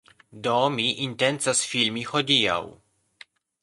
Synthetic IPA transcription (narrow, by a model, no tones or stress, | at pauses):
domiʔinte̞nt͡sasfilmiho̞dia̰w